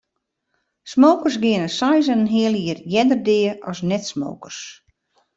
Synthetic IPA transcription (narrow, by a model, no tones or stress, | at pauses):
smoːkərs̬ɡɪənəsajzənnɦɪəlˠiərjɛdərdɪəɔsnɛtsmo̰ːkərs